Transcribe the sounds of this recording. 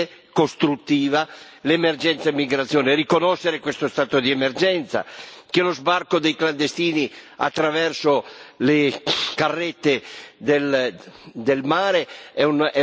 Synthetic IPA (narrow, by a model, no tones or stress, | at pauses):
kost̪ɾut̪ːiːva | lemerd͡ʒɛnt̪saemːiɡɾat̪sːjoːnerikonɔʃːeɾekwest̪ost̪aːt̪od̪iɛmerd͡ʒɛnt̪sa̰kelozbarkod̪ejkland̪est̪iːnia̰t̪ːɾavɛrsolekarːɛt̪ːed̪el | d̪elmaːɾeɛnɛ